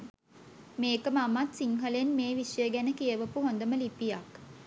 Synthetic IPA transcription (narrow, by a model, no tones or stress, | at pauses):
meːkəmamat̪siŋɦəlenmeːʋisjəɡænəkijəʋəpuɦond̪əməlipijak